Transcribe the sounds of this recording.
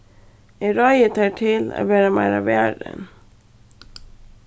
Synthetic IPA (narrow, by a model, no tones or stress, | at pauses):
ɛɾɔʏət̪ʰɑːʈʰɪla̰ʋæːɾəmæɪɾaʋæːɖə̰n